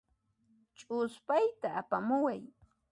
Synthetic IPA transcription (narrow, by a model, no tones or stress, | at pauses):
t͡ʃʼʊspajt̪aːpamʊwaj